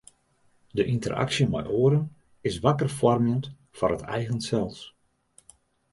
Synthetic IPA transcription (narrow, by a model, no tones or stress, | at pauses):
dəʔintəra̰ksjəmɛ̰jʔoəɾən | ɪsʋakərfɔrmjənt | fɔrətʰɛ̰jɣənsɛlˠs